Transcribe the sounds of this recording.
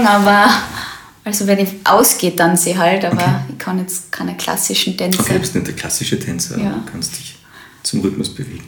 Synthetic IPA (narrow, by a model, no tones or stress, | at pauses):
aːbɐ | ʔalzovɛnɪçʔa̰ʊsɡ̥eːt̚d̥anseɦaltaːbɐɪkʰːɑnjɛt͡skʰaɪnəkʰl̥a̰sɪʃn̩tʰɛnokʰebɪstnɛt̚d̥ɛkʰl̥asɪʃətʰɛnt͡sɐ̰jaːkʰanstd̥ɪç | t͡sʊmʁʏtmʊsb̥əvḛːɡŋ̩